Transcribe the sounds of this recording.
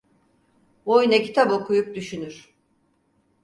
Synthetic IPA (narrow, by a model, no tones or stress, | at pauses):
bojnecʰi̥t̪ʰabo̞kʰujup̚d̪yʃynyɾ̥